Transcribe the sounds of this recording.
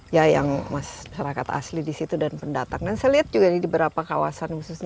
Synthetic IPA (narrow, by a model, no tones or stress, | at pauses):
jajaŋmasmaʃaɾakat̪a̰slidisit̪udanpəndat̪aŋdansajliɦat̪̚d͡ʒuɡanidibəɾapakawa̰sanhususɲ